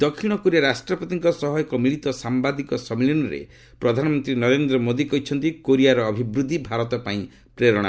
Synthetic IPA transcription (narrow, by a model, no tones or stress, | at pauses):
d̪̥ɔkʰiɽ̃ɔkoɾijaɾasʈɾɔpɔt̪iŋkɔsɔɦɔjɔkɔmiɭit̪ɔsambad̪ikɔsɔmilinɔɾḛ | pɾɔd̪ʱanɔmɔnt̪ɾinɔɾend̪ɾɔmod̪ikɔɦit͡ʃʰɔnt̪ikoɾiaɾɔːbʱibɾud̪ʱːibʱaɾɔt̪ɔpaĩ | pɾeɾɔɽ̃a̰